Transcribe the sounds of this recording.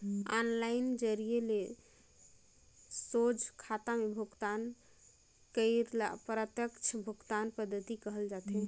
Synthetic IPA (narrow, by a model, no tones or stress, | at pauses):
anlaɪnd͡ʒəɾiele | sod͡ʒkʰat̪amebʱukt̪an | kəɪɾlapɾət̪jəkt͡ʃʰbʱukt̪anpəd̪ʱːət̪ikəɦəld͡ʒat̪ɛ